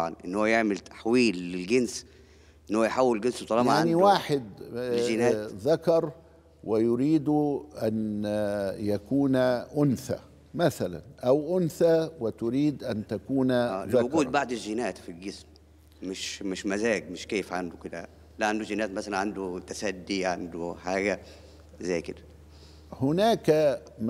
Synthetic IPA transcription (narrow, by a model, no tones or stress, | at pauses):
ʕɑ̰nʔɪ̰nːhowːæjeʕmɪlt̪ḁħwiːlːɪlɡens | ʔʔenːhowːjħawːɪlɡɪnswt̪ˤɑlɑjʕaʕaniwaːħɪd̪ʒɪnæːðakɑɾˤ | wɪjʊɾiːd̪uʔæn | jækuːnʔʊnθæ̰ | mæθælæ̰nʔawʔʊnθawɪt̪ʊɾiːd̪ʔant̪akuːnːawʊkuːd̪̚baʕd̪ɪʒɪnæːt̪filɡɪsm | mɪʃmɪʃmazæːɡ̚mɪʃkeːfʕand̪ʊkɪd̪æ̰ | laʕand̪uʒɪnæːt̪masalanʕand̪ut̪asæd̪ːiʕand̪uħaːɡæa | zæjkɪd̪ḁ | hʊnaːka | m